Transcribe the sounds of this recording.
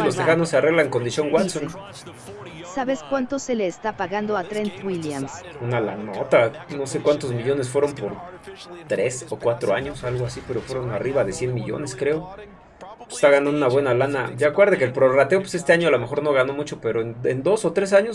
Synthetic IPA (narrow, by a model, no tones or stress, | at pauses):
lost̪exanoseare̞ɣlaeŋko̞nd̪isjo̞ŋɡwat̪son | saβeskwant̪oseleːst̪apaɣand̪oat̪ɾent̪wiljamsunala̰not̪ano̞se̞kwant̪o̞zmiʝo̞nesfwe̞ɾo̞mpo̞ɾt̪ɾe̞so̞kwat̪ɾoaɲo̞salɣoasipe̞ɾo̞fwe̞ɾo̞nariβaðe̞sje̞nmiʝo̰ne̞skɾe̞o | e̥st̪aɣanãnd̪unaβwenalana̰ɟ͡ʝaakweɾðek̬elpɾo̞rat̪eopwesest̪eaɲoalome̞xo̞ɾno̞ɣano̞mut͡ʃo̞pe̞ɾo̞enḛnd̪o̞so̞t̪ɾe̞s̬aɲo̞s